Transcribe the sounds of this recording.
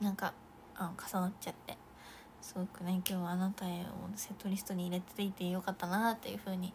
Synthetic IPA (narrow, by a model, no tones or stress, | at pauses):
nãŋka | anokʰḁsanatt͡ɕat̪ːe̞ | sɨɡo̞kɯ̟nekʲo̞ːβanat̪aeo̰set̪ːo̞ɾʲisɨ̥t̪o̞ɲ̟iːɾe̞t̪et̪eit̪e̞jo̞kat̪ːanat̪ːejɯ̟ɸɯ̟ːɲ̟i